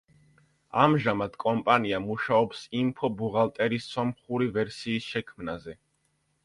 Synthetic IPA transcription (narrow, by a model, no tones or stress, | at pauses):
a̰mʒamad̪̥kʼɔmpʼaniamuʃaɔpsimpʰɔbuʁalˠt̪ʼɛɾisːɔmχuɾivɛɾsiːsʃɛkʰmnazɛ